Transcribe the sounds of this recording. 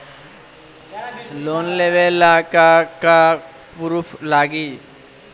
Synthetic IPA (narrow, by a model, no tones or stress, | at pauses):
loːnleːʋelːaːkaka | pʊɾupʰlaːɡiː